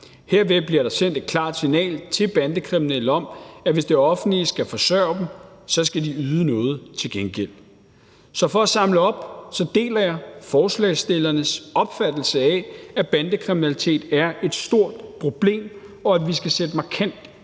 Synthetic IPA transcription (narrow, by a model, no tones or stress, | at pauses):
he̝ɐ̰ʋeb̥liɐɾɑ̈sen̰d̥e̝d̥̚kʰlɑ̈ːd̥sinɛ̰ːlt͡sʰe̝b̥ænd̥əkʰʁiminelɒ̽mæʋe̝sd̥e̝ɒ̽fn̩lisɡ̥æfɒ̽sɶːɐd̥m̩sɒ̽sɡ̥ædiyːðˠənɔ̽ːð̞̩ˠt͡sʰe̝lɡ̥enɡ̥el̰ | sɒ̽fɒ̽æsɑ̈mləɒ̽b̥sɒ̽d̥e̝̰ːlɐjɑ̈fɒːslɛ̰ɪsd̥e̝lɐnəsɒ̽b̥fæd̥l̩səɛæb̥ænd̥əkʰʁiminælit͡sʰe̝̰ːd̥æɐe̝d̥sd̥o̝ɐ̰d̥pʰʁo̝b̥le̝̰ːm | ɒ̽æʋisɡ̥æsed̥mɑ̈kʰæn̰d̥